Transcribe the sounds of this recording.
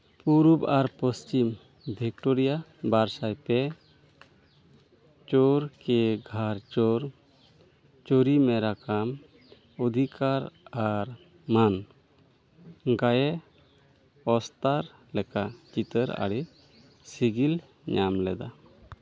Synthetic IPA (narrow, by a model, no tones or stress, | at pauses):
puɾubaɾpəst͡ʃim | b̪ʱikʈoɾijabaɾsajpɛ | t͡ʃoɾkɛɡʱaɾt͡ʃɔɾ | t͡ʃoɾimɛɾakam | ɔd̪ʱikaɾaɾ | man | ɡajɛ | ɔst̪aɾ | lɛkat͡ʃit̪əɾa̰ɽi | siɡil | ɲamlɛd̪a̰